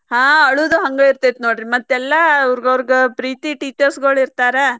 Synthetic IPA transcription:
ɦãːɐɭud̪uɦɐŋɡɐiɾt̪it̪noːɽiimɐt̪ːɛlːɐːʋɾɡɐʋɾiɡepɾiːt̪iʈiːt͡ʃɐɾsɡɐɭiɾt̪aːɾe

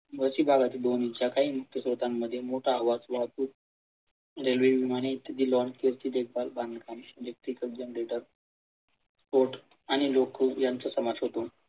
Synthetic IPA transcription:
ʋəsiːbʱaɡat̪iːd̪onit͡ɕjakaɦiːmuk̚t̪ʰjəsɾot̪amːəd̪ʱːjemoʈʰaːʋad͡zʋat̪uːt̪ | ɾelʋeʋimaɽ̃eit̪ːəd̪iːlɔɳkeɾt͡ɕ̪iːd̪ek̚ʰbalbankamelek̚ʈɾikək̚d͡ʑənəɾeʈəɾ | poɾʈ | aɽ̃ilokjant͡səsəmad͡zɦot̪o

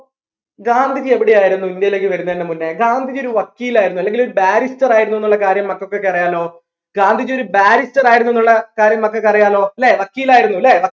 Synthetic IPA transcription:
ɡaːnd̪ʱid͡ʑɨe̞ʋiɽejaːjiɾunːuind̪jɐjile̞ːk̬ːɨʋɐɾunːɐðinːemunːeɡaːnd̪ʱid͡ʑoɾuʋɐkːiːlaːjiɾunːuɐleŋɡiloɾubaːɾistɐraːjiɾunːue̞nːuɭːɐkaːɾjɐmːɐkːokːekːɐrijaːlo̞ː | ɡaːnd̪ʱid͡ʑoɾubaːɾistɐraːjiɾunːue̞nːuɭːɐkaːɾjɐmːɐkːɐkːɐrijaːlo̞ːleːʋɐkːiːlaːjiɾunːuleʋɐ

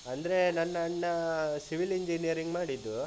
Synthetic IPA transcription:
ɐnd̪ɐɾe̞nɐnːɐɐɳːɐsiʋiliɲd͡ʒinijɐɾiŋɡmaːɽid̪ːu

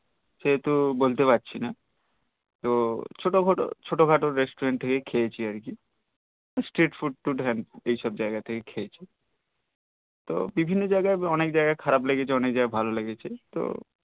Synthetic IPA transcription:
seɦet̪ubolt̪epatːɕʰina | t̪ot͡ʃʰoʈokoʈo̰t͡ʃʰoʈoɡʱaʈoɾesʈoɾeɳʈ̚t̪ʰekekʰejet͡ɕʰiaɾki | sʈɾiʈfuɖ̚ʈ̪uʈɦɛnejʃɔb̚d͡ʑaeɡat̪ʰekekʰeet͡ɕʰi | t̪o̰bibʱinːod͡ʑajɡaeɔnek̚d͡ʑaeɡakʰaɾableɡet͡ɕʰeɔnek̚d͡ʑaɡabʱaloleɡet͡ɕʰet̪o̰

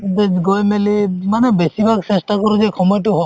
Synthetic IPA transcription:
dɛɡɔjmelimanɛbesibʱaksɛsʈakɔɾuzɛkʰɔmɔjʈ̬uɦɔ

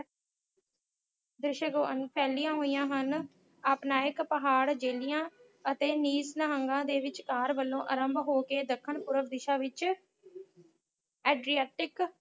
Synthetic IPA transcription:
d̪ɾɪʃəɡoːə̰npʰɛːlijãːɦoːijãːɦən | aːpnãːɪkpəɦaːɽd͡ʒeːlijãː | ət̪eːniːsnəɦəŋɡãːd̪eːʋɪt͡ʃkaːɾʋəlːõːʔəɾəmbɦoːkeːd̪əkʰːəɳpʊɾəʋd̪ɪʃãːʋɪt͡ʃ | ɛːɖɾiɛːʈɪk

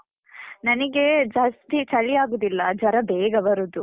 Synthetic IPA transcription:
nɐnɐɡed͡ʒast̪it͡ʃɐɭijaːɡoːd̪ilːɐd͡ʒɐɾɐbeːɡɐʋɐɾud̪u

